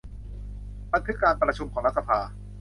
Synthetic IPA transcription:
ba˧˥n̚kʰɯ˦˥kaː˧npɾa˧t͡ɕʰu˧mkʰɔː˩˦ɾa˦˥t̪̚sa˧pʰaː˧

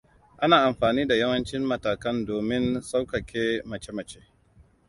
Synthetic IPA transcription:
ʔa˦naː˨ʔa˨mɸaː˨niː˦da˨jɐ˦wɐ˦nt͡ʃɪ˦mːɐ˨taː˨kɐ˦ndoː˨mɪ˦nsa˦wkɐ˨kʲʰeː˦mɐ˨t͡ʃe˦mɐ˨t͡ʃeː˦

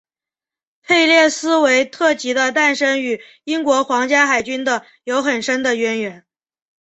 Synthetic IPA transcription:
pʰe˥˧ɪljɛ˥˩sɹ̩˥we˧˥ɪt̪ʰɤ˥˩t͡ɕi˧˥d̪ə˧t̪a˥˩nʂə˥ŋy˨˩ | i˥ŋkwɔ˧˥xwɑ˧˥ŋt͡ɕja˥xa˨˩ɪt͡ɕy˥nd̪ə˨ | jo˧˥ʊxə˨˩nʂə˥nd̪ə˨ɥɛ˧˥nɥɛ˧˥n

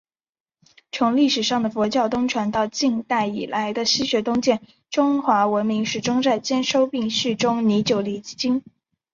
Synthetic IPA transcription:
t͡sʰʊ˧˥ŋli˥˩ʂɻ̩˨˩ʂɑ˥˩ŋd̪ə˩fɔ˧˥t͡ɕjɑ˥˩ʊt̪ʊ˥ŋʈ͡ʂʰwa˧˥nt̪ɑ˥˧ʊt͡ɕi˥˧ŋt̪a˥˩ɪḭ˨˩la˧˥ɪd̪ə˧ɕi˥ɕɥɛ˧˥t̪ʊ˥ŋt͡ɕjɛ˥˩n | ʈ͡ʂʊ˥ŋxwa˧˥wə˧˥nmi˧˥ŋʂɻ̩˥˩ʈ͡ʂʊ˥ŋt͡sa˥˩ɪt͡ɕjɛ˥nʂo˥ʊpi˥˧ŋʂ̩˥˩ʈ͡ʂʊ˥ŋni˧˥t͡ɕjo˨˩ʊli˨˩˥t͡ɕi˥ŋ

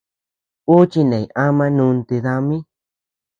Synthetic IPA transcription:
u˦t͡ʃi˦˧nẽ˨i˨ʔa˦mã˧nũ˧nt̪e˧ða˧mĩ˦

